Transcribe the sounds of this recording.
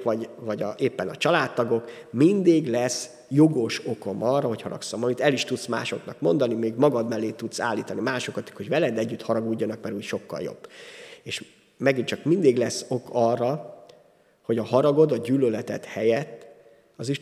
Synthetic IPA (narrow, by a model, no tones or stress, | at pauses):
kvɒɟvɒɟɒeːpːɛnɒt͡ʃɒlaːt̪ːɒɡo̞k | mind̪iːɡlɛs | jo̞ɡoʃo̞ko̞mɒrːɒɦo̞chɒɾɒ̰ksɒmɒmit̪ɛliʃt̪ut̪sma̰ːʃo̞knɒkmo̞nd̪ɒnimeːɡmɒɡɒd̪mɛlːeːt̪ːut̪sa̰ːlːiːt̪ɒnimaːʃo̞kɒt̪ikho̞ɟvɛlɛd̪ɛɟːyt̪hɒɾɒɡuːɟːɒnɒkmɛɾuːcʃo̞kːɒ̰ljo̰b̥ːeːʃ | mɛɡint͡ʃɒkmind̪iɡlɛso̞kʰɒrːɒ | ho̞ɟɒɦɒɾɒɡo̞d̪ɒɟyːlølɛt̪ɛ̰t̪hɛjɛt̪ː | ɒziʃ